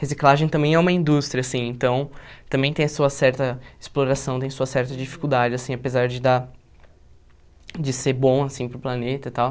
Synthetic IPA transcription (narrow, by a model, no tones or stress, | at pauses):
hesiklaʒẽj̃t̪ɐ̃mbẽj̃ɛũmɐĩnd̪ust̪ɾiɐasĩẽnt̪ɐ̃w̃t̪ɐ̃mbẽj̃t̪ẽj̃ɐsuɐsɛɾt̪ɐɪsploɾasɐ̃w̃t̪ẽj̃ɐsuɐsɛɾt̪ɐd͡ʒifi̥kuwd̪ad͡ʒɪasĩapezaɾd͡ʒɪd̪a | d͡ʒɪseɾbõw̃asĩpɾʊplanet̪ɐt̪aw